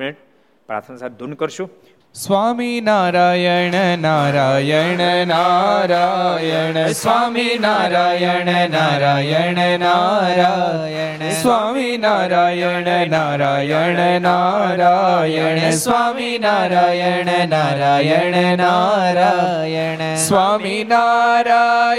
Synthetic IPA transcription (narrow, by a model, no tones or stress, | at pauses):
eʈ̚ | pɾa̰ːt̪ʰənsad̪unkəɾʃu | sʋaːminaːɾajɛɳenaɾajɛɳenaɾajenesʋaminaɾajenenaɾajɛɳenaɾa | sʋaːminaɾaːjeɳenaːɾajɐnenaɾaːjɐesʋaminaɾajɳenaɾajeɳenaɾa | j | sʋaːminaːɾa